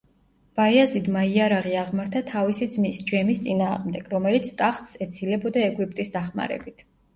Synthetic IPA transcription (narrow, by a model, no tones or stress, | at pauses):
b̥aiazid̪maiaɾaʁiaʁmaɾt̪ʰat̪ʰavisid̪zmisd͡ʒɛmist̪sʼinaːʁmd̪ɛɡ̥ɾɔmɛlit̪sʰt̪ʼaχt̪ʼsɛt̪sʰilɛbɔd̪aɛɡwip̚ʼt̪ʼisd̪aχma̰ɾɛ̰bit̪ʰ